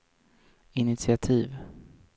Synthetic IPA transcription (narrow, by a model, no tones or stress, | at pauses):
ɪnɪt̪sɪat̪ʰiːv